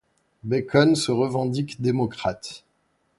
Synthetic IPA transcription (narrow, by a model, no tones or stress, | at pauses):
bekʰɔnsəʁəvɑ̃d̪ikd̪emɔkχat̪